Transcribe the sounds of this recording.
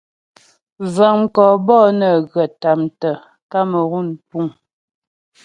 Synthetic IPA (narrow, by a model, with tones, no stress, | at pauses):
zə˨ŋŋ̩˨kɔː˨bɔː˦˨nə˨ɣə˨ta˨mtə˨ | ka˦mə˨ɣu˦˨npu˦˨ŋ